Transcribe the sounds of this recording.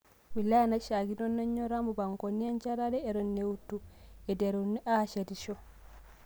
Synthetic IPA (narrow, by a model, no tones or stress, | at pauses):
wilanaʃaɡinɔnːaɲːɔɾamubaŋkɔnijant͡ʃaɾadɛːɾɔnːewutːuɛdɛɾunːiʔaʃadiʃɔ